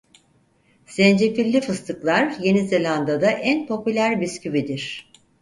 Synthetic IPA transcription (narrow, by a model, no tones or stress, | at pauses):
sɛnd͡ʒefilʲːifɯst̪ʰɯklˠaɾje̞nizelʲand̪ad̪aʔænpʰo̞pylʲæɾbiscʰybid̪iɾ̝̥